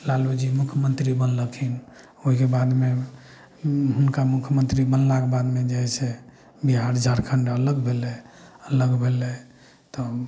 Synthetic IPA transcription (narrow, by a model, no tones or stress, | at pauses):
lalud͡ʒimukʰjəmənt̪ɾibənləkʰin | oɦikebad̪me | ɦunkamukʰjəmənt̪ɾibənlakebad̪med͡ʒeɦɛse | biɦaɾəd͡ʒʱaɾkʰəɳɖələɡbʱelɛələɡbʱelɛ | t̪ɔ